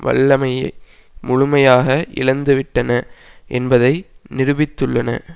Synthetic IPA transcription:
ʋɐ̰ɭːɐmɐjɐɪ | mʊɻʊmɐjaːɣɐʔɪ̰lɐnd̪ɯʋɪʈːɐnɐʔɛnbɐðɐɪnɪɾɯʋɪt̪ːɯɭːɐnɐ̰

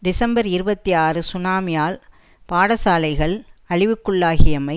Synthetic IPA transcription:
d̪ɪsɐmbɐɾɪɾɯbɐt̪ːiaːrɯsʊnaːmɪjaːl | paːɽɐsaːlɐɪɣɐɭɐɻɪʋɯkːɯɭːaːɣɪjɐmɐɪ

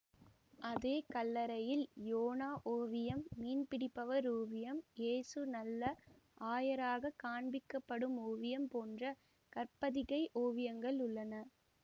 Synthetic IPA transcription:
ʔɐðeːkɐlːɐɾɐjɪljoːnaːʔoːʋɪjɐmːiːnpɪɽɪpːɐʋɐɾoːʋɪjɐmeːsɯnɐlːɐ | ʔaːjɐɾaːɣɐkaːɳbɪkːɐpːɐɽɯmoːʋɪjɐmpoːndrɐ | kɐɾpɐðɪɣɐɪʔoːʋɪjɐŋɡɐɭʊɭːɐnɐ

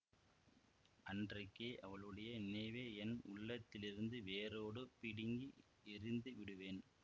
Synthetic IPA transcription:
ʔɐndrɐɪkːeːʔɐʋɐɭɯɽɐjɐnɪnɐɪʋeːɛnmʊɭːɐt̪ːɪlɪɾɯnd̪ɯʋeːɾoːɽɯpɪɽɪŋɡi | ɪɾɪnd̪ɯʋɪɽɯʋeːn

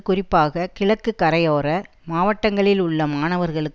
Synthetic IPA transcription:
kʊrɪpːaːɣɐkɪɭɐkːɯkːɐɾɐjoːɾɐ | maːʋɐʈːɐŋɡɐɭɪlʊɭːɐmaːnɐʋɐɾɣɐɭɯkː

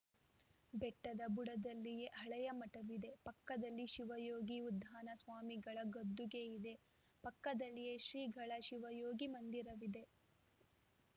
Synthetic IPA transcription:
bɛʈːɐd̪ɐbuɽɐd̪ɐlːije̞ʔɐɭɛjɐmɐʈɐʋid̪e̞pɐkːɐd̪ɐlːiʃiʋɐjoːɡiud̪ʱːaːnɐsʋaːmiɡɐɭɐɡod̪ːuɡe̞id̪e̞ | pɐkːɐd̪ɐlːije̞ʃɾiːɡʱɐɭɐʃiʋɐjoːɡimɐnd̪iɾɐʋid̪e̞

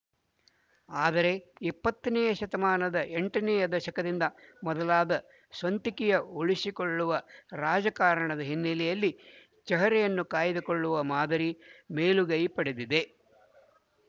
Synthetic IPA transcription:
aːd̪ɐɾe̞ipːɐt̪ːɐnɛjɐʃɐt̪ɐmaːnɐd̪ɐʔeɳʈɐnɛjɐd̪ɐʃɐkɐd̪ind̪ɐmɔd̪ɐlaːd̪ɐ | sʋɐnt̪ikijɐuɭisikoɭːuʋɐɾaːd͡ʒɐkaːɾɐɳɐd̪ɐɦinːelɛjɐlːi | t͡ʃɐɦɐɾɛjɐnːukaːjid̪ukoɭːuʋɐmaːd̪ɐɾime̞ːluɡɐjpɐɽed̪id̪e̞

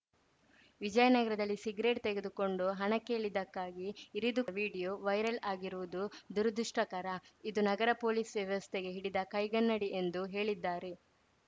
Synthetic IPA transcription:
ʋid͡ʒɐjɐnɐɡɐɾɐd̪ɐlːisiɡɾeːʈ̚t̪eɡed̪uko̞ɳɖuɦɐɳɐke̞ːɭid̪ɐkːaːɡiːɾid̪uʋiːɽijoːʋɐjɾɐlaːɡiɾuʋud̪ud̪uɾɐd̪ʱuʂʈɐkɐɾɐid̪unɐɡɐɾɐpo̞ːlisʋjɐʋɐst̪ʰeɡe̞ɦiɽid̪ɐkɐjɡɐnːɐɽiʔe̞nd̪uɦe̞ːɭid̪ːaːɾe̞

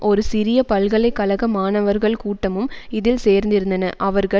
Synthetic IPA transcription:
ʔɔɾɯsɪɾɪjɐpɐlɣɐɭɐɪkːɐlɐɣɐmaːnɐʋɐɾɣɐɭkuːʈːɐmɯmɪðɪlseːɾnd̪ɪɾɯnd̪ɐnɐʔɐʋɐɾɣɐ

